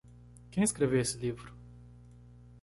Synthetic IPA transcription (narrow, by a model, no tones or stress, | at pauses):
kʲejskɾeveesɪlivɾu